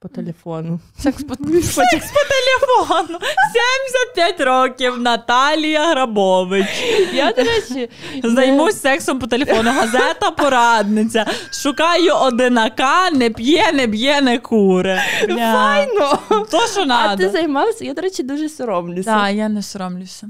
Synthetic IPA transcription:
pɔt̪elʲefɔnʊsɛkpkspɔt̪elʲefɔnʊsʲemʲsʲɐt̪̚pʲjatʲɾɔkʲiwnɐt̪ɑlʲijɐɦɾɐbɔʋɪt͡ʃjad̪ɔɾɛt͡ʃɪzɐjmusʲsɛksɔmpɔt̪elʲefɔnʊɦɐzɛt̪ɐpɔɾɑd̪nɪt͡sʲɐʃʊkɑjʊʔɔd̪ɪnɐkɑnɛpʲjɛnɛp̬ʲjɛnɛkuɾɛaajnɔt̪ɔɔnɑd̪ɪɐzɐjmɑwsʲɐjad̪ɔɾɛt͡ʃɪd̪uʒɛsʲɔɾɔmlʲʊd̪ʲajanɛsʲɔɾɔmlʲʊwsʲɐ

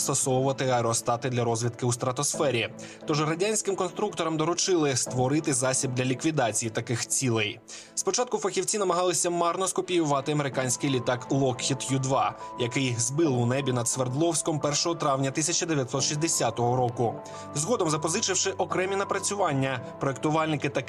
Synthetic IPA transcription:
st̪ɔsɔwʊʋɐt̪ɪɐɾɔst̪ɑt̪ɪd̪lʲɐɾɔzʲʋʲid̪kɪust̪ɾɐt̪ɔsfɛɾʲi | t̪ɔʒɦɾɐdʲanʲsʲkɪmkɔnst̪ɾuk̚t̪ɔɾɐmd̪ɔɾʊt͡ʃɪlˠɪst̪ʋɔɾɪt̪ɪzɑsʲib̚d̪lʲɐlʲikʋʲid̪ɑt͡sʲijit̪ɐkɪxt͡sʲilˠɛj | spɔt͡ʃɑt̪̚kʊfɐxʲiwt͡sʲinɐmɐɦɑlˠɪsʲɐmɑrnɔskʊpʲijʊʋɑt̪ɪɐmeɾɪkɑnʲsʲkɪjlʲit̪ɑklˠɔkxʲit̪jud̪ʋɑjɐkɪjzbɪlˠʊnɛbʲinɐd̪sʋerd̪lˠɔwsʲkɔmpɛrʃɔɦɔt̪ɾɑwnʲɐt̪ɪsʲɐt͡ʃɐd̪eʋʲjɐt̪sɔt̪ʃizʲd̪esʲat̪ɔɦɔɾɔkʊ | zɦɔd̪ɔmzɐpɔzɪt͡ʃɪwʃɪʔɔkɾɛmʲinɐpɾɐt͡sʲʊʋɑnʲːɐpɾɔek̚t̪ʊʋɑlʲnɪkɪt̪ɐ

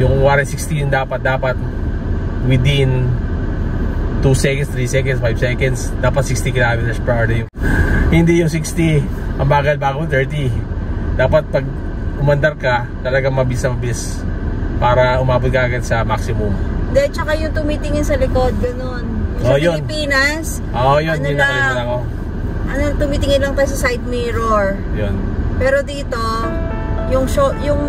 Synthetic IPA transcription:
jʊŋwaːɾɛsɪkst̪ijʊnd̪aːpɐt̪̚d̪aːpɐt̪̚ | wɪd̪ɪn | t̪usɛkɐnst̪ɾisɛkɐnd̪sfajbsɛkɐnd̪sd̪aːpɐt̪̚sɪkst̪ikɪlaːmɪt̪ɛɹspɹaɛɹd̪ijʊhɪnd̪ijʊŋsikst̪i | ʔɐmbaːɡɐlbaːɡot̪ɛɹt̪id̪aːpɐt̪̚pɐɡ̚ | ʊmɐnd̪ɐɾkɐ | t̪ɐlɐɡaŋmɐbɪsɐmɐbis | paːɾɐhʊmaːbʊt̪̚ɡaːɡɐd̪sɐmaksɪmʊmd̪ɛt͡ʃɐkajʊŋt̪ʊmit̪ɪŋɪnsɐlɪkod̪̚ɡɐnonjʊʔpojolɪnpiːnɐs | ʔoʔjonnɪnɐkɐjaɐnɐko̞ | ʔɐnot̪ʊmit̪ɪŋɪnlɐŋp̪ajs̬ɐsajd̪̚miːɾoɹ | jonpɛːɾo̞d̪iːt̪o̞ | jʊŋʃojʊŋ

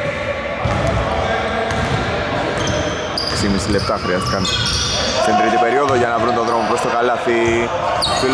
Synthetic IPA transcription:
ksimisile̞p̚t̪ɐxɾiɐst̪i̥kɐn | sent̪ɾit̪ipe̞ɾioðoʝɐnɐvɾunt̪oðɾo̞mopɾost̪okɐlɐθi | fil

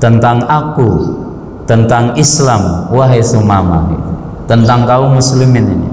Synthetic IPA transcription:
t̪ənt̪aŋaku | t̪ənt̪aŋislamwaɦesumama̰ɦḭ | t̪ənt̪aŋkaumuslimɪninḭ

